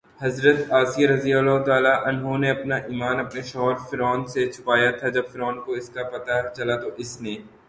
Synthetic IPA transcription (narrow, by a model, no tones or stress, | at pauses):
hɐzɾət̪aːsijaɾɐziːalaɦt̪aːlaʔɐnɦoneɐpnaʔiːmaːnɐpneʃɔɦɾfɪɾɔːnset͡ʃʰʊ̥paːjat̪ʰad͡ʒɐbfɪɾɔːnkoɪskapɐt̪at͡ʃɐlat̪oʔɪsneː